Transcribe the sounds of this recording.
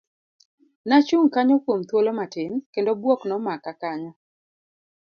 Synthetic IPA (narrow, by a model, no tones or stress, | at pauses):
nat͡ʃuŋkaɲɔkwomt̪wolomatɪnkendobwɔknɔmakakaɲɔ